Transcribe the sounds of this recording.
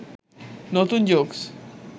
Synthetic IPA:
not̪und͡ʑoks

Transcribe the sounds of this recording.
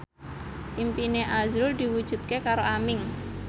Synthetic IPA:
ʔimpineʔazɾʊld̪̥i̤wud̥ʒ̥ṳt̪̚kekaɾoamɪŋ

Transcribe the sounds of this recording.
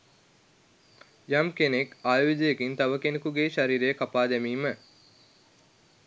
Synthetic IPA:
jamkenekaːjʋid̪ijekint̪ɐʋəkenekuɡeːʃaɾiːɾejəkapaːd̪æmiːmə

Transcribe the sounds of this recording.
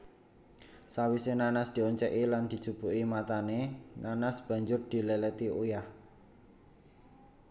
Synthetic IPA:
sawisenanasd̪̥i̤ɔɲt͡ʃɛʔiland̪̥i̤d̥d͡ʒ̥ub̥uʔimat̪anenanasb̥ä̤ɲd͡ʒʊrd̪̥i̤lelɛt̪iujah

